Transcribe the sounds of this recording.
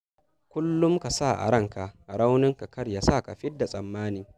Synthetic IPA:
kʷʊ˦lːʊ˦mka˨sa˦˨ʔa̰˨ɽɐ˦˨ŋka˨ɽa˦wnɪ˦ŋka˨kɐ˦ɾja˨sa˦˨ka˨ɸɪ˦dːa˨sʼɐ˨mːaː˦niː˦

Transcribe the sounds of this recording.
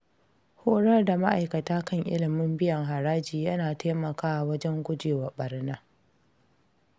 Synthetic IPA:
hoː˦ɽɐ˦rda˨ma˦ʔa˨jkɐ˨taː˦kɐ˦ŋʔɪ̰˦lɪ˨mɪ˦mbɪ˦jɐ˨ŋɦa˨ɾaː˦d͡ʒiː˨jɐ˦naː˨taː˦mɐ˨kaː˦˨wɐ˦d͡ʒɛ˦ŋɡʷʊ˦d͡ʒeː˨wɐ˨ɓɐ˨rna˦

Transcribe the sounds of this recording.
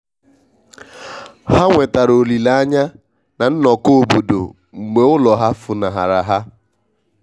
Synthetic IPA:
ha˦ŋʷe˨ta˨ɾo˨li˨la˦a˦ɲa˦ | na˨n̩˦nɔ˨ko˦o˨bo˨do̰˨ | ŋ͡m̩˨ɡ͡be˨ʊ˦lɔ˨ɦa˦fʊ˨na˨ɦa̰˨ɾa̰˨ɦa˦

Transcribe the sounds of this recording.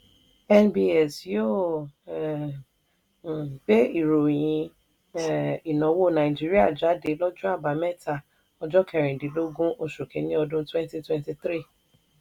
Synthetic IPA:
ɛ˦nbi˦ɛ˨sjo˦˨ | be˦i˨ɾo˨j̃ĩ˧˨ | i˨nɔ̃˨˦wo˦˨nã˨i˨d͡ʒi˦ɾi˦a˦˨d͡ʒa˨˦de˧˦lɔ˦d͡ʒũ˦a˦˨ba˨˦mɛ˦˨ta˨ | ɔ˧d͡ʒɔ˦kʰɛ˨ɾ̃ĩ˨de˨˦lo˦ɡũ˦ʔo˧ʃo˨kẽ˨˦nĩ˦ɔ˧dũ˦twɛ̃˦n˦ti˦twɛ̃˦nti˧t̪ɾi˦˨

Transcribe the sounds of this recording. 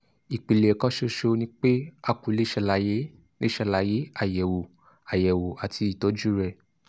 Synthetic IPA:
i˨k͡pi˨le˨kã˦ʃo˦ʃo˧nĩ˦k͡pe˦a˧ku˨le˦ʃɛ˧˨la˨˧˦je˦ | le˦ʃɛ˧˨la˨˧˦je˨˦a˨jɛ˨wo˨ | a˨jɛ˨wo˨a˨tʰi˧i˨tɔ˨˦d͡ʒu˦ɾɛ˧˨

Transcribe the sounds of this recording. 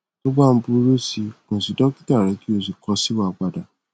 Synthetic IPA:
ɡ͡bɔ˦ɡ͡ba˦˨m̩˦bu˦ɾo˦si˧kũ˨si˨dɔ˦ki˦ta˦˨ɾɛ˨˦ki˦o˦˧si˨kɔ˧˦si˦wa˦˨k͡pa˨da˨

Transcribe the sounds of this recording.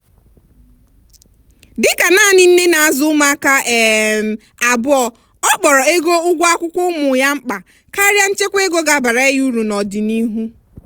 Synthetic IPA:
dɪ˦ka˨naː˦˨nɪ˦n̩˦ne˦na˨a˨zʊ˦ma˦ka˦e˨m̩˨ | a˨bʊ˦ɔ˨ | ɔ˦k͡pɔ˨ɾɔ˨e˦ɡo˦ʊ˦ɡʷa˦kʷʊ˦kʷʊ˦mʊ˨ja˦ŋ͡m̩˦k͡pa˨ | ka˦ɾja˦n̩˦t͡ʃe˦kʷe˦ɡo˦ɡa˨ba˨ɾa˨˦e˦ju˦ɾu˨nɔ˨dɪ˨ni˦ɦu˦

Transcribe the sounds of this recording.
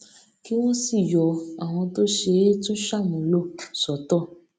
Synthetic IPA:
ki˦w̃ɔ̃˦si˦˨jɔ˨a˨w̃ɔ̃˧to˦ʃe˧˦tũ˦ʃa˦˨mũ˨˧˦lo˦˨sɔ˨tɔ˦˨

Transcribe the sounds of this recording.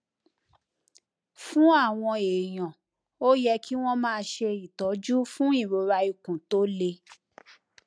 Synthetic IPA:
fũ˦a˦˨w̃ɔ̃˧e˨j̃ɔ̃˨ | o˦jɛ˧kʰi˦w̃ɔ̃˦mãː˦˧ʃe˧i˨tɔ˨˦d͡ʒu˦fũ˦i˦˨ɾo˨˦ɾa˧i˧kũ˨to˦le˧

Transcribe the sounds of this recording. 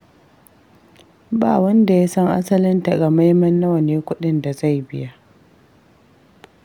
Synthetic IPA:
ba̰ː˨wɐ˦nda˨ja˦sɐ˦ŋʔa̰˦sɐ˦lɪ˦nta˨ɡa˨ma˦jmɐ˦nːɐ˦wɐ˨neː˦kʷʊ˦ɗɪ˦nda˨za˦˨jbɪ˦ja˦ʔ

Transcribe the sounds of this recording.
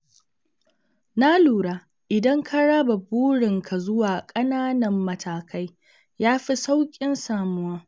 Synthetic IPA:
na˦luː˨ɽaː˦ | ʔɪ˨dɐ˦ŋkʰa˦ɽa˦ba˨buː˦ɽɪ˨ŋkʰa˨zʊ˦waː˨kʼɐ˦naː˦nɐ˨mːɐ˦tʰaː˨ka˦j | jaː˦ɸi˦sa˦wkʲʼɪ˦nsaː˨mʊ˦waː˦

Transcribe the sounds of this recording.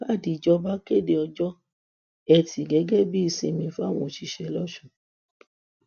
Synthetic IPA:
ba˦˨di˧˨d͡ʒɔ˦ba˦ke˦˨de˧ɔ˧d͡ʒɔ˦ | ɛ˧tʰi˨ɡɛ˨˦ɡɛ˦˨bi˦i˧sĩ˧˨mĩ˧˦fa˦˨w̃ɔ̃˧˨ʃi˧˦ʃɛ˧˦lɔ˦ʃũ˦˨

